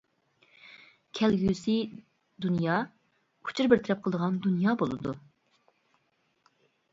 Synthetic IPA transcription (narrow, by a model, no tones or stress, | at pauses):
kʲʰɛlɡʲysɪ | d̪unjɑː | u̥t͡ʃʰuɾbɪɾt̪ʰɛɾɛp̚qʰəlˠəd̪əʁɑnd̪unjɑːbolˠɨ̰d̪ṵ